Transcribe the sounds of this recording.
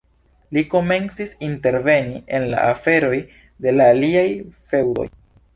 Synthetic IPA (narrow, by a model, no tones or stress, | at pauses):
liko̞me̞nt͡sisinte̞ɾve̞nie̞nla̰ʔafe̞ɾo̞j | de̞laːliajfe̞wdo̰j